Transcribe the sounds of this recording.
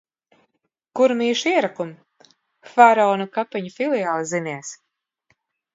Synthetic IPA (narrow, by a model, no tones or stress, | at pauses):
kuɾmiːʃiɛɾakum | faɾɔːnukapɛɲufilˠijaːlˠziniɛs